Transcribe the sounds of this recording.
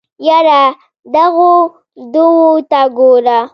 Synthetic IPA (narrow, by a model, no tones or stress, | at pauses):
jaɾa | d̪aɣo | d̪uwot̪aɡoɾa